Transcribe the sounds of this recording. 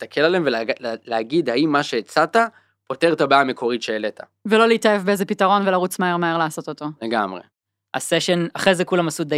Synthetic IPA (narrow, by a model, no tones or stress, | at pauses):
ist̪akʰelaleemveleaɡid̪haimːaʃeːt͡sata | po̞t̪eʁt̪abaame̞kʰo̞ʁit̪ʃeːlet̪ʰa | velo̞leitaefbeezepitaʁo̞nvelaʁut͡smaeʁmaeʁlaːso̞t̪ot̪o̞leɡamʁḛ | a̰seʃenaχʁejzekulamasud̪e